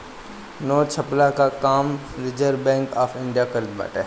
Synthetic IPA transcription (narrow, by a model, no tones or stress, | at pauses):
noːt͡ʃʰɐplakakaːmɾɪd͡ʒəɾbɛ̃ːŋkaːfʰɪɳɖijakɐɾba̰ːʈɛ̰ː